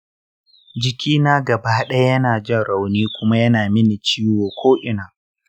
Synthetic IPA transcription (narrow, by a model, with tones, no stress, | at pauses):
d͡ʒɪ˨kʲiː˦naː˦ɡɐ˨baː˦ɗɐ˦ja˦jɐ˦naː˨d͡ʒɐ˦ɽa˨wniː˦kʷʊ˦ma˦jɐ˦naː˨mɪ˦ni˨t͡ʃiː˦woː˨kʷʰoː˦ʔɪ˨˦naː˨